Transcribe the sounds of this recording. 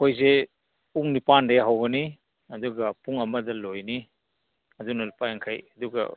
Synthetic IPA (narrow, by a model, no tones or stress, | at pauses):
ojze | uŋnipandejɦawɡɐni | ɐduɡɐpuŋɐmɐdɐlojni | ɐdunɐlupajaŋkʰajɐduɡɐ̰